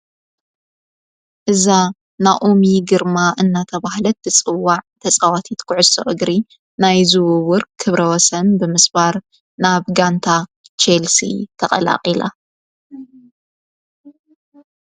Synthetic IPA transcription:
ʔɨza | naʔomiɡɨɾmaʔɨnːat̪ʰɐβahlɐt̪̚bɨt͡sʼɨwːaʕt̪ʰɐt͡sʼawat̪ʰit̪kʰɨʕʊso̰ʔɨɡɾi | najzɨwʊwʊɾkkʰːɨβɾɐwɔsɐnbɨmɨsbaɾ | naβɡant̪ʰa | t͡ʃelsḭt̪ʰɐχʼɐ̰la̰qʼila̰

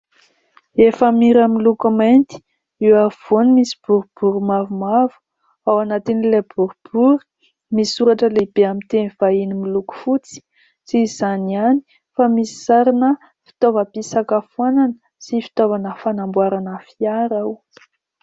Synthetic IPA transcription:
efəmiɾamilukumajnt̪i̥ | iwav̥onimisi̥b̥uɾub̥uɾumavumavu̥ | awanat̪inilebuɾub̥uɾu̥ | misuɾaʈ͡ʂəlebeamint̪eniv̥ainimiluku̥fut͡si̥ | siz̥aniani̥ | famisi̥saɾinə | fi̥t̪ovəpisakafuananə̥ | sifi̥t̪ovanəfanambwaɾanəfiaɾaw

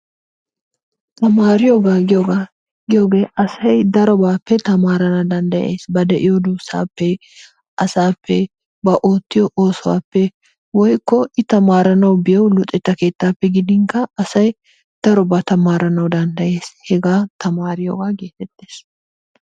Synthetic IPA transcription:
t̪ɐmaːɾɪjoɡaːɡɪjoɡa | ɡɪjoːɡeːʔɐsɐjd̪ɐɾɔbaːpːɛt̪ɐmaːɾɐnɐd̪ɐnd̪ɐjeːsbɐd̪ɛʔɪjod̪uːsa̰ːpːɛ | ʔɐsaːpʰːɛ | bɐʔoːt̪ːɪjɔʔoːsɔwa̰ːpːɛ | wɔjkːɔɪt̪ɐmaːɾɐnɐwbɪjɐwlʊt̪ʼːɛt̪ːɐke̞ːt̪ːaːpːɛɡɪd̪ɪŋkɐɐsɐj | d̪̥ɐɾɔbaːt̪ɐmaːɾɐnɐwd̪ɐnd̪ɐje̞ːshɛɡaːt̪ɐmaːɾɪjo̰ːɡaːɡe̞ːt̪ɛt̪ːe̞ːs

